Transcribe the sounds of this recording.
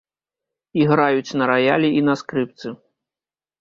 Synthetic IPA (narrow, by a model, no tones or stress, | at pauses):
iɣɾajut͡sʲnɐɾajalʲiinɐskɾɨp̚t̪sɨ